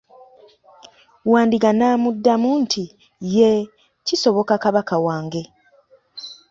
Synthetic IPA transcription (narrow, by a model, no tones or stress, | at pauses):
waːndiɡanaːmudːamuntʰi | je | ciso̞βo̞kakaβakawaːŋɡe̞